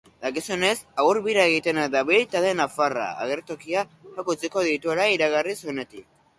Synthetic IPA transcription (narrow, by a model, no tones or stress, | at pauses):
d̪akisune̞sauɾβiɾaeɣit̪e̞nad̪aβilt̪aðe̞nafara̰a̰ɣe̞ɾt̪okiahakut͡siko̞ðit̪ue̞laiɾaɣariso̞ne̞t̪ik̚